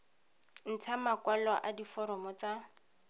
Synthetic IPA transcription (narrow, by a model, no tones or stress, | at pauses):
n̩t͡sʰamakwalɔʔadifɔɾɔmɔt͡sa